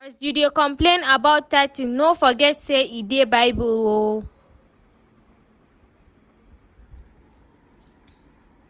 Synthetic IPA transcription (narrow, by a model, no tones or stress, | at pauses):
astudiokɔ̃mplẽnabaʊttatɪ̃nofɔɡɛtsɛidebaɪbulwo